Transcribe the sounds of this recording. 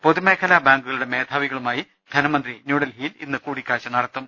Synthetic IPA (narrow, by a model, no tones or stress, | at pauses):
poðumeːkʰɐlaːbaːŋɡuɣɐɭuɽe̞me̞ːd̪ʰʱaːʋiɣɐɭumaːji | d̪ʱɐnɐmɐnd̪rinjuːɽɐlɦiːlḭnːɨkuːɽikʲːaːɕɐnɐɽɐt̪ːɐm